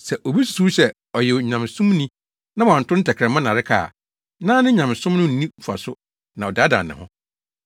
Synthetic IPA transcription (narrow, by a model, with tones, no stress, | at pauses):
sɛ˨ʔo˨bi˦su̥˨su˦ɕɛ˦ | ɔ˨jɛ˨ɲã˨m˨sũ˦mnĩ˦ | nã˦wɔ˨ã˨n˨tʰʊ˦n̩˦tʰɛ˨kʰɾɛ̃˨mã˦nã˨ɾɪ˦kʰa̰ː˨ | nãː˦nɪ̃˦ɲã˨m˨sʊ̃˦m˦nʊ̃˦n̩˨nĩ˦˨fu˨a̰˨sʊ˦ | nã˨ɔ˨da˨˦dã̰˨n˨nɪ̰̃˨hʊ̰̃˦